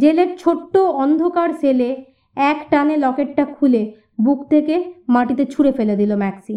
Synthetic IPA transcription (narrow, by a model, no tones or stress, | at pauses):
d͡ʑeleɾt͡ɕʰoʈːoɔnd̪ʱokaɾsele | ɛkʈanelɔkeʈ̚ʈakʰule | bukt̪ʰekemaʈit̪et͡ɕʰuɾefeled̪ilomɛksi